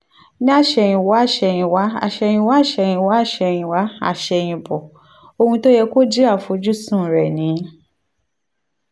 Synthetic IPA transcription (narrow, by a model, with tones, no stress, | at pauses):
nĩ˦a˦˨ʃɛ˧˨j̃ĩ˧wa˨˦a˦˨ʃɛ˧j̃ĩ˧wa˨˦a̰˨ʃɛ˧j̃ĩ˧wa˨˦˨ʃɛ˧j̃ĩ˧wa˨˦a˦˨ʃɛ˧˨j̃ĩ˧wa˨˦a̰˦˨ʃɛ˧j̃ĩ˧bɔ˨ | o˧hũ˧to˦jɛ˧ko˦d͡ʒi˦a˦˨fo˨˧˦d͡ʒu˦sũ˦˨ɾɛ˨nĩ˨˦